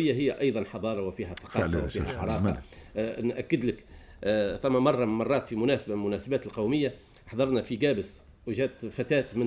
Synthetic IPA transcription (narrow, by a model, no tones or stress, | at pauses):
ɪjːaɦɪjːæʔɑjðˤɑnħɑðˤɑːɾˤɑwɪfiːɦæθɑ̥qɑːawɪfːhæħɑɾˤɑːqɑnʔækːɪd̪lɪk | θæmːæmɑrˤːɑmːɑrˤːɑːt̪fimʊnæːsabamʊnæːsabæːt̪lqɑwmɪjːa | ħd̪ˤɑɾˤnæfiɡæːbɪs | wɪʒæːt̪fat̪æːt̪mɪn